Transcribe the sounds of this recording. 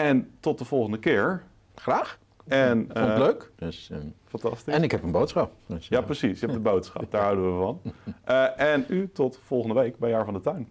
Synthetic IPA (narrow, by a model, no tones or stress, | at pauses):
ɛntɔt̚dəv̥ɔlˠχəndəkɪəɹ | χraːx | ɛnfløːkdøsəfɑntɑstiɛnɪkɦɛpənbowtsχɑp̚dsjaprəsisɪkɛpdəbowtsχɑ̰p̚daːɹɦawdəʋəvɑnʔəɛnytɔtfɔlˠχəndəʋejkbɛjaːɹvɑndətœɥn